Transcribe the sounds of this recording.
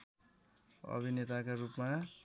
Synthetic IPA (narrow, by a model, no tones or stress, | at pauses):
ʌ̰bʱinet̪akorupma